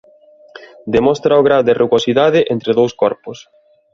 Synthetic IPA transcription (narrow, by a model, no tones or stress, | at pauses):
d̪emɔst̪ɾaoɣɾaðerʔuɣosiðaðɪʔent̪ɾeðowskɔɾpʊs